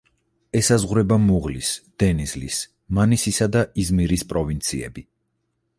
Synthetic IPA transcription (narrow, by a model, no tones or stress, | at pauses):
ɛsazʁɾɛbamuʁlisd̪̥ɛnizlḭs | manisisad̪aizmiɾispʼɾɔvint̪sʰiɛ̰bi